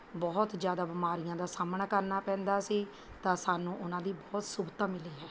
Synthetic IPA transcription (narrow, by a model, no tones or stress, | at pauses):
bɔːt̪d͡ʒjaːd̪aːbɪmaːɾɪjãːd̪aːsaːmnaːkəɾnaːpɛ̃ːnd̪aːsiː | t̪ãːsaːnũːʔʊnãːd̪iːbɔːt̪sʊbt̪aːmɪliːɦɛː